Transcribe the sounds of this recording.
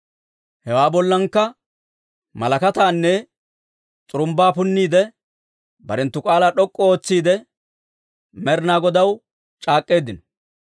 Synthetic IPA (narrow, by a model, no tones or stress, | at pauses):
hɛwaːbɔlːɐŋkːɐ | mɐlɐkɐt̪aːnːɛ | t͡sʼʊɾʊmbaːpʊnːiːd̪ɛ | bɐɾɛnt̪ːʊkʼaːlaːɗɔkʼːɔoːt͡sːiːd̪ɛ | mɛɾnaːɡɔd̪ɐw | t͡ʃʼaːkʼːe̞ːd̪ɪnɔ̥